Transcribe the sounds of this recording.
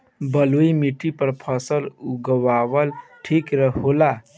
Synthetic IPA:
bəluimiʈipəɾpʰəsəluɡəwawəlʈʰikɾəɦola

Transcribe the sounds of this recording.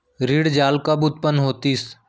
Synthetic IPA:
ɾiːɽd͡ʒaːlkabʊt̪̚pənɦoːt̪iːs

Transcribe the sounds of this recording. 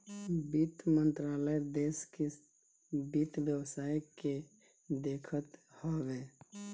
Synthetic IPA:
bit̪mə̃nt̪ɾaːləd̪eːske | bit̪bjəwsaːjke | d̪eːkʰət̪hoʋeː

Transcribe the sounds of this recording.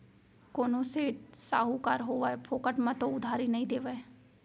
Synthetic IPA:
koːnõsesaːɦukaːɾɦoːʋaepʰoːkəʈmãt̪oʊd̪ʱaːɾinəĩd̪eːʋae

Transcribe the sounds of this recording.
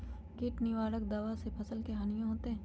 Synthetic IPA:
kɪʈnɪʋaːɾək̚d̪aʋasepʰɐsəlkeɦaːnijãɦoːt̪eɦɛ̃ː

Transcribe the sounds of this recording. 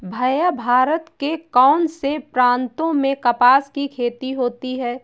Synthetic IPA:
bʱɐjabʱaːɾət̪kekɔːnsepɾãːnt̪õmẽkɐpaːskikʰeːt̪iɦoːt̪iɦɛː

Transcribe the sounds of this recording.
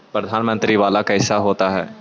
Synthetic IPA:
pɾəd̪ʱaːnmə̃nt̪ɾiʋaːlakaɦɪsaɦoːt̪aɦɛː

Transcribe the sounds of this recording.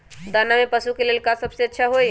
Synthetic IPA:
d̪anamepəsukelelkasəbseətːʃʰaɦoj

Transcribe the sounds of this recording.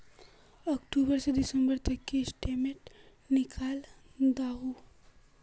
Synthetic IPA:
ɐkʈubəɾsed̪ɪsə̃mbəɾt̪ɐkːesʈemeʈ | nɪkʰaːld̪aːɦu

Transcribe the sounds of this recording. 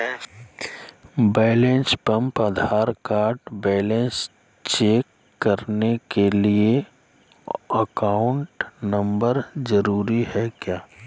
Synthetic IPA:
bɛːlẽnspɐ̃mpəd̪ʱaːɾkaːɾʈbɛːlẽns | t͡ʃeːkː | ɐɾnekelie | əkaːʊ̃ɳʈnɐ̃mbəɾzəɾuːɾiɦɛkjaː

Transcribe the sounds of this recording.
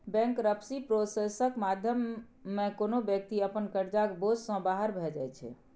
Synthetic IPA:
bɛ̃ŋkɾəpʰsipɾosesəkmad̪ʱjəmːekonobjək̚t̪iəpənkəɾd͡ʒakbod͡ʒsə̃baɦəɾbʱɛd͡ʒajt͡ʃʰɛ̰

